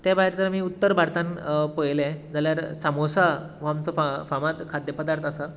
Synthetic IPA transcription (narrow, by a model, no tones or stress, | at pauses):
t̪jabaɦeɾt̪əɾmiːut̪ːəɾbʱaɾt̪ãnpəjlẽd͡zaljaɾsamosa | ʋ̤əamt͡səfafamat̪kʰad̪jəpəd̪aɾt̪ʰasa